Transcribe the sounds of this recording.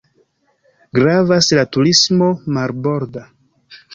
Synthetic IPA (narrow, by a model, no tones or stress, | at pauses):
ɡɾavaslatuɾismo̞maɾbo̞ɾda